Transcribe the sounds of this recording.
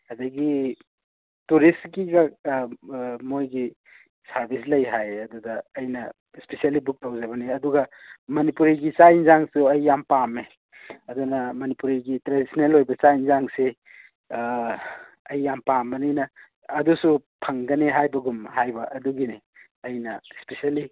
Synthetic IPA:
ɐdɐɡi | tuɾistkiɡɐ | mojɡi | sɐɾbʱis̬lɐjɦajɐdudɐːjnɐ | spesialibuk̚tawzɐbɐniɐduɡɐmɐnipuɾiɡit͡ʃajnzaŋsuɐjːampame | ɐdunɐmɐnipuɾiɡitɾadisinelojbɐt͡ʃajinzaŋse | ɐjːampambɐnijnɐː | dusupʰɐŋɡɐneɦajbɐɡumhajbɐʔɐduɡini | ɐjnɐspesiali

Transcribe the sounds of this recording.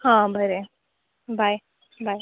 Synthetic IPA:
hãbʱəɾe | bʱaj | bʱaj

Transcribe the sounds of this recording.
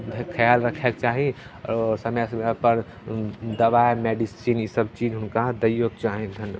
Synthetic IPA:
kʰəjalɾəkʰɛkt͡ʃaɦi | səmɛsəmapəɾ | d̪əbajmeɖisinisəbt͡ʃid͡ʒɦʊnkad̪əjoɡ̚t͡ʃaɦid̪ʱənj

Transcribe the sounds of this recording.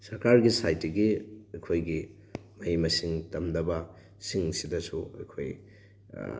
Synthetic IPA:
sɐɾkaɾɡisajtːiɡiɐjkʰojɡi | mɐjmɐsiŋtɐmdɐbɐ | siŋsidɐsuɐ̰jkʰoj̰

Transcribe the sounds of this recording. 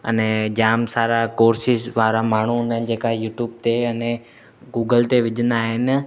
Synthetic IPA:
ə̰nɛd͡ʑaːmsaːɾakoːɾsɪsʋaːɾamaːɳ̤uʊnən̆d͡ʑeːkajuːʈjuːb̚t̪eɐne | ɡuːɡəlt̪eʋɪd͡ʑʱə̃nd̪aːɦɪnɪ̆

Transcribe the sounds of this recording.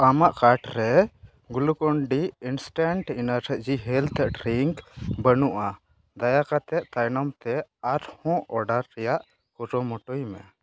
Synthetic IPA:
amaʔkaʈɾɛ | ɡulukɔɳɖiinsʈaɳʈinaɾɛd͡ʒiɦɛlt̪ɛʔʈɾiŋkbənuʔa | d̪ajakat̪ɛʔt̪ajnɔmt̪ɛaɾhɔ̃ʔɔɖaɾːɛjaʔ | kuɾɔmɔʈɔjimɛ̰

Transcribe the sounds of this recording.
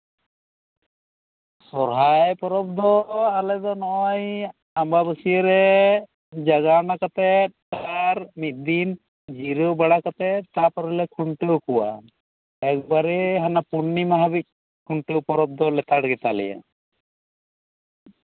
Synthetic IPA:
sɔɾɦajpɔɾɔb̚d̪ɔalɛd̪ɔnɔʔɔj | ambabəsiəɾɛ | d͡ʒaɡanakat̪ɛt̪aɾmit̪̚ˀd̪in | d͡ʒiɾobaɽakat̪ɛt̪apɔɾɔlɛkʰuɳʈuwkuwa̰ | ɛk̚baɾɛɦanapunːimaɦabic̚ˀ | kʰuɳʈopɔɾɔb̚d̪ɔlɛt̪aɽɡɛt̪alɛ̰ja̰

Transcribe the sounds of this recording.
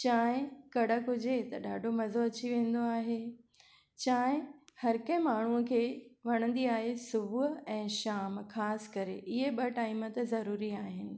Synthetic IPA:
t͡ɕaːɪ̃kɐɽ̤əkʊd͡ʑʱet̪ɐɗaːɖʱomɐzoɐt͡ɕiʋẽːn̆d̪oaːɦe | t͡ɕaːɦɪ̃hɐɾkɐ̃ɦɪ̃maːɳ̤uəkʰeːʋɐɽ̃ə̃nd̪iaːɦesʊbʱʊɛ̃ːʃaːmxaːsɪ̥kɐɾeʔɪɦeɓɐʈaːimət̪ɪzɐɾuːɾiaːɦɪnɪ̆

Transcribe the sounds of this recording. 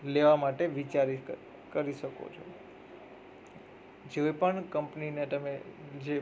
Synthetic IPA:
leʋamaʈeʋit͡ʃaɾi | kəɾiʃəko̰t͡ʃʰo | d͡ʒeepəɳkəmpninet̪əmed͡ʒe

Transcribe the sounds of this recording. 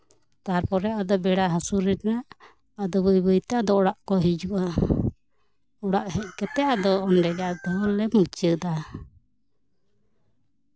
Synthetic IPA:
t̪aɾpɔɾɛʔad̪ɔbɛɽaɦasuɾɛt̪naʔ | ad̪ɔbəjbəjt̪ɛad̪ɔɔɽaʔkɔɦid͡ʒuʔa | ɔɽaʔhɛc̚ˀkɛt̪ɛʔad̪ɔːnɖɛɡaʔd̪ɔlɛmut͡ʃəd̪a

